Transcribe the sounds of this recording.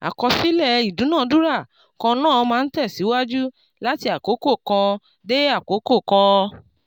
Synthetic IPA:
a̰˨kɔ˧si˦lɛ˦i˨dũ˨˦nã˦˨˧du˦ɾa˦˨ | kɔ̃˧nãː˦˨˧mãː˧n̩˦tɛ˦˨si˨˦wa˦d͡ʒu˦ | la˦ti˧a˨ko˨˦ko˦˨kã˧ | de˦a˦˨ko˨˦ko˦˨kã˧

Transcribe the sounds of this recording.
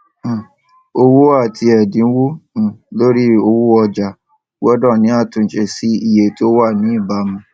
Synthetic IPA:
o˧wo˦a˦˨tʰi˧ɛ˨dĩ˨˦wõ˦˨lo˦ɾi˦o˧wo˦ɔ˧d͡ʒa˨ | wɔ˦dɔ̃˦˨nĩ˨˦a˦˨tũ˨ʃe˧si˦i˦˨je˨to˦wa˦˨nĩ˨˦i˦˨ba˨˦mũ˧

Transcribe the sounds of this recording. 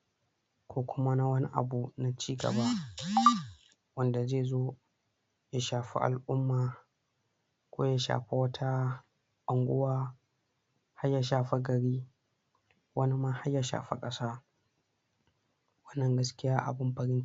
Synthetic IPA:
kʷoː˦kʷʊ˦ma˦na˦wɐ˦ni˦ʔa̰˨bu˨na˨t͡ʃiː˦ɡɐ̰˨ba˦ʔ | wɐ˦nda˨zeː˦˨zoː˦ | ja˦ʃaː˨ɸḭ˦ʔa̰˨lʔʊ˦mːaː˨ | kʷoː˦ja˦ʃa̰ː˨ɸe˦wɐ˦tʰa˦ | ɓɐ˨ŋɡʷʊ˦waː˦ | ha˦ja˨ʃaː˨ɸe˦ɡɐ˨ɽiː˦ | wɐ˦ni˦ma˦ha˦ja˨ʃa̰ː˨ɸḛ˦kʼɐ˦saː˦ | wɐ˦nːɐ˨ŋɡɐ˦skʲɪ˦jaː˦ʔa̰˨bɪ˦mɸɐ˨ɽɪ˦n

